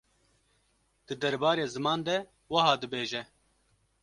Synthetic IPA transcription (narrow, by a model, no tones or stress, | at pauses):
d̪̥ɨd̪ɛɾbɑːɾeːzɨmɑːnd̪ɛ | wɐhɑːd̪ɨbeːʒɛ